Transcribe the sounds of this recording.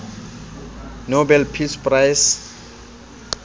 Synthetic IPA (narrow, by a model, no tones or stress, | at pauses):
nobɛlpʰispʼrajs